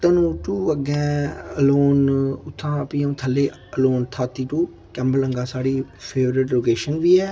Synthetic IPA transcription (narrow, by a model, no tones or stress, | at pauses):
t̪ənũːʈuːəɡɛ̃ːəloːnʊt̪ʰːãːəpiːũːt̪ʰəlːeː | əloːnt̪ʰaːt̪ːiːʈuː | kɛ̃ːmbələŋɡaːsaːɽiːpʰeːʋɾɪʈloːkeːʃənʋiːɛː